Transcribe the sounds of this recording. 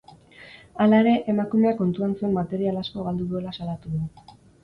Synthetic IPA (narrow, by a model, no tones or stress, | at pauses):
alae̞ɾe̞ʔemakume̞ako̞nt̪uansue̞mmat̪e̞ɾialasko̞ɣald̪uðue̞lasalat̪uðu